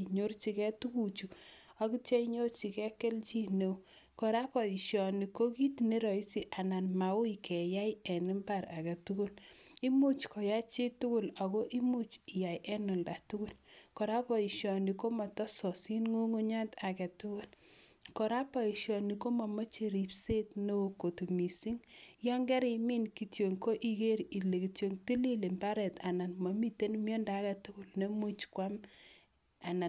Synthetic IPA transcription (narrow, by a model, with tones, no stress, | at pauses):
ɲo˦rt͡ʃi˦kɛ˦tu˦ku˦˨t͡ʃu˨ | a˦ki˦t͡ʃɛ˦i˦ɲo˦rt͡ʃi˨kɛ˦ke˦lt͡ʃi˦ne˨˦ | kɔ˨ɾa˦pɔ˨i˨ʃjɔ˨ni˨ko˦ki˦tne˦ɾɔ˨i˦si˦˨ʔa˨na˨nma˨u˦ikɛ˨ja˦jɛ˨nɪ˦mba˦ɾa˨kɛ˨tu˦ku˦li˦mu˦t͡ʃkɔ˨ja˦t͡ʃi˦tu˦ku˦la˨ko˦ʔi˦mu˦t͡ʃi˨ja˨jʔɛ˦nɔ˨lda˨tu˦ku˦lkɔ˨ɾa˦pɔ˨i˨ʃjɔ˨ni˨ko˦ma˨tɔ˦sɔ˨si˦nŋu˦ŋu˦ɲa˦ta˨kɛ˨tʊ˦kʊ˦l | kɔ˨ɾa˦pɔ˨i˨ʃjɔ˨ni˨ko˦ma˨ma˦t͡ʃe˨ɾi˨pse˦tno˦o˨ko˨tu˨mi˨si˦ŋjɔ˦ŋɡɛ˦ɾɪ˨mi˦nki˨tjo˨ŋko˦ʔi˨ke˦ɾi˨le˨ki˨tjo˨ŋti˦li˦le˨mba˦ɾɛ˨ta˨na˨nma˨mi˦te˦nmjɔ˦nda˨˦kɛ˨tʊ˦kʊ˦˨lne˦mu˦t͡ʃkwa˦m | a˨na˨